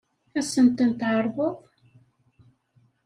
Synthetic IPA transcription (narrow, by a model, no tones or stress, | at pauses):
æsənt̪ənt̪ʕəɾˤvəðˤ